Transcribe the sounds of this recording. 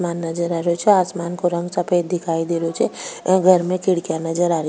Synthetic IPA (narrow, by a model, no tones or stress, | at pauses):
maːnːɐd͡ʒəɾaːɾot͡ʃʰeaːsmaːnkoɾɐ̃ŋɡsɐpʰeːd̪ɪkʰaːid̪eːɾot͡ʃʰeɡʱɐɾmẽkɪɽkjanɐd͡ʒəɾaːɾ